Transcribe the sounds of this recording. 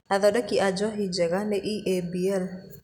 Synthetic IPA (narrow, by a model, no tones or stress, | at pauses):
aðɔɗɛkiʔad͡ʒɔɦid͡ʒɛɣanɛʔiʔebiɛl